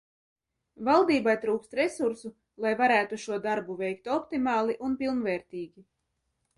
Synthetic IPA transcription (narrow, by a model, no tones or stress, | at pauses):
valˠd̪iːbajt̪ɾuːkst̪ɾesuɾsu | lˠajvaɾæːt̪uʃuɔd̪aɾbuvɛjkt̪ɔpt̪imɑːlˠiʔunpilˠnvɛːɾt̪ʲiːɡʲi